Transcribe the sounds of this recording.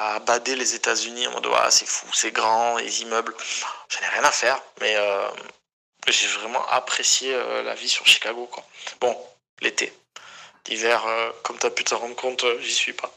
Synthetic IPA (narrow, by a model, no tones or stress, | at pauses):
abad̪elezet̪azyniɛ̰̃mɔ̰d̪̰a̰sɛfusɛɡʁɑ̃lḛzimœblʒ̥ənɛʁjɛ̃nafɛʁmɛøm | ʒevʁɛmɑ̰̃ʔapχesjeø̰la̰visyʁʃi̥kaɡokwabɔ̃ | let̪ḛ | livɛʁøkɔmt̪yapyt̪əʁɑ̃d̪ʁəkɔ̃t̪øʒisɥipa